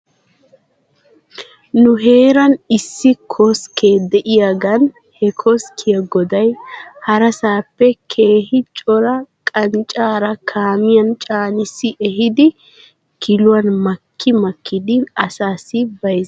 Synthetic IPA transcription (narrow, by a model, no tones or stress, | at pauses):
nʊɦe̞ːɾɐnɪsːɪkʰɔskʰeːd̪ɛʔɪjaɡɐn | hɛkʰɔskʰɪjɐɡɔd̪ɐjhɐɾɐsaːpːɛkʰe̞ːɦɪt͡ʃʼɔɾɐkʼɐnt͡ʃʼaːɾɐkʰaːmɪjɐnt͡ʃʼaːnɪsːɪʔɛɦɪd̪ɪ | kʰɪlʊwɐnmɐkʰːɪmɐkːɪd̪ɪɐsaːsɪbɐjz